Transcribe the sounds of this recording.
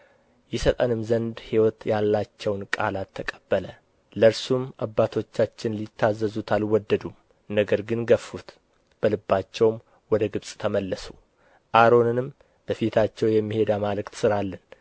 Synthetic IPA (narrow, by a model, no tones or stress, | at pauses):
jɛsət̪ʼənɨmzənd̪hiwɔt̪jalːat͡ʃːɛwnkʼa̰lat̪ʰːəkʼəb̥ːələ | ləɾsumabːat̪ʰo̞t͡ʃːat͡ʃːɪnlit̪ʰːazːəzut̪ʰalwɔd̪ːəd̪um | nəɡəɾɡɨnɡəfːut̪ | b̥əlɨbːat͡ʃːɛwm | wɔd̪əɡɨβsʼt̪ʰəməlːəsu | ʔaɾo̞nɨnɨm | b̥əfit̪ʰat͡ʃːɛwjɛmːihe̞d̪amalɨkt̪sɨɾalːən